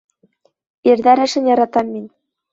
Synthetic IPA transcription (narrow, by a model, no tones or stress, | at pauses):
iɾd̪æɾæʃɘ̆njɑɾɑt̪ɑmːinʲ